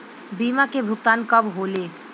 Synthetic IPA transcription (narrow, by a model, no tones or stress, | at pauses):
biːmakebʱʊɡ̚t̪aːnkɐbɦoːleː